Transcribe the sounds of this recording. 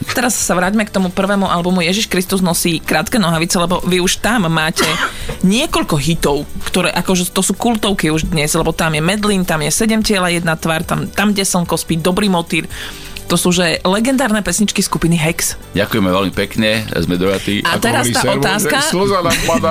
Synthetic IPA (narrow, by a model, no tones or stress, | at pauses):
t̪ɛɾassaʋɾaːɟmɛkt̪ɔmupr̩ʋɛːmuʔalbumujɛʒiʃkɾist̪uznɔsiːkɾaːt̪kɛnɔɦaʋit͡sɛlɛbɔʋiuʃt̪amːaːcɛɲɪɛkɔʎkɔɦit̪ɔʊkt̪ɔɾɛːʔakɔʒɛt̪ɔsuːkult̪ɔʊkiuʒd̪ɲɛzlɛbɔt̪amjɛmɛd̪liːnt̪amjɛsɛɟɛmcɪɛlajɛd̪nat̪ʋaːɾt̪a̰mt̪amɟɛsl̩nkɔspid̪ɔbɾiːmɔt̪iːɾ | t̪ɔsuʒɛlɛɡɛnd̪aːɾnɛpɛsɲit͡ʃkiskupiniɦɛks | ɟakujɛmɛʋɛlmipɛkɲɛ̰zmɛd̪ɔɦat̪iat̪ɛɾasit̪aːɔaːskazapad̪a